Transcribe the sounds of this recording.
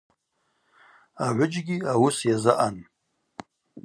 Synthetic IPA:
aʕʷʊd͡ʒɡʲiawʊsjazɨʔan

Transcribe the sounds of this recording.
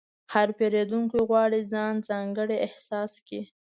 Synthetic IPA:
haɾpeɾed̪uŋkiɣwɑɽizɑnzɑŋɡəɽeɪhsɑski

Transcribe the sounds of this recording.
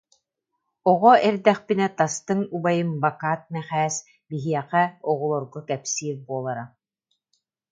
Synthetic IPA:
ɔʁɔɛɾd̪ɛχpinɛt̪ast̪ɯŋubajɯmbakaːt̪̚mɛχæːs | biɦiɛqɛɔʁɔlˠɔɾɡɔkɛpsiːɾbuɔlˠaɾa

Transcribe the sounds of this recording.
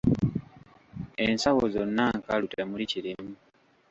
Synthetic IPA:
ensawozonːaŋkalutemuliciɾimu

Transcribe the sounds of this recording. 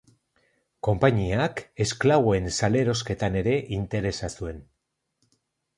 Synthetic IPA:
ko̞mpaɲiake̞sklaβo̞e̞nsale̞ɾo̞ske̞t̪ane̞ɾe̞ʔint̪e̞ɾe̞sasue̞n

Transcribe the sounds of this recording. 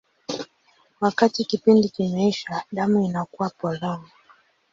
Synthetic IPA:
wakatikipindikimɛiʃaɗamuinakuwapɔlɔni

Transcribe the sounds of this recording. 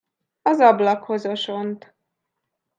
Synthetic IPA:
ɒzɒblɒkho̞zoʃo̞nt̪

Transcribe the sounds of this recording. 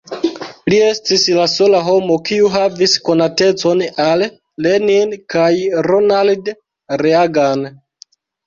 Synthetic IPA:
lie̞stislaso̞laɦo̞mo̞kiuɦavisko̞nate̞t͡so̞nalː | eninkajɾonald | ɾeaɡan

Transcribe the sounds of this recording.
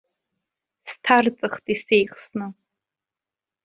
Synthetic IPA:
stʰart͡sʼɨχtʼisejχsnɨ

